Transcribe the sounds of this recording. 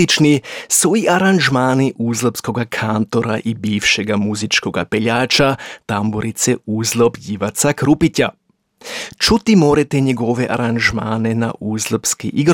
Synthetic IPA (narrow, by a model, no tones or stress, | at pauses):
it͡ʃnisuiʔaɾanʒmaːniʔuːzlopsko̞ɡakʰant̪o̞ɾa̰ʔibiːʋʃeɡamuzit͡ʃko̞ɡa̰peʎaːt͡ʃat̪amboɾit̪seuːzlobjiʋat̪sakɾupita | t͡ʃut̪imoːɾet̪eɲeɡoʋeʔaɾanʒmaːnena̰ʔuːzlopskḭʔiɡɾ